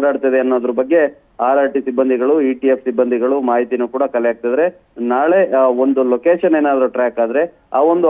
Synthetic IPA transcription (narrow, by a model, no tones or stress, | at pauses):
ɽaːɽt̪ɐd̪eɐnːoːd̪ɐɾubɐɡːe̞ | aːɾaːɾʈisibːɐnd̪iɡɐɭuiʈijepʰsibːɐnd̪ʱiɡɐɭumaːɦit̪inukuːɽɐkɐlɛjaːɡ̚t̪id̪ɐɾe̞ | naːɭe̞o̞nd̪uloːkeːʃɐneːnaːd̪ɐɾuʈɾaːkaːd̪ɐɾe̞ | aːo̞nd̪u